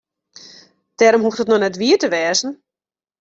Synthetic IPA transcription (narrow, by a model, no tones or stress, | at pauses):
d̥ɛːɾomɦuxtətnɔnɛtʋiətəʋɛːzn̩